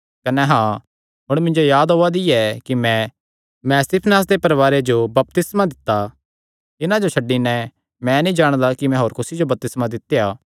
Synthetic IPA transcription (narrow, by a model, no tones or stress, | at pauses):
kɐnɛɦãː | ɦʊɽ̃mɪ̃nd͡ʒojaːd̪ɦoːad̪ɪjɛkimɛ̃ | mɛ̃st̪ɪpʰnaːs̬d̪epɐɾʋaːɾed͡ʒobɐp̚t̪ɪsmad̪ɪt̪ːa | ɪnãd͡ʒot͡ʃʰɐɖːinɛ̃ | mɛ̃nĩd͡ʒaːɽ̃d̪akimɛ̃ɦoːɾkʊsid͡ʒobɐp̚t̪ɪsmad̪ɪt̪ːejaː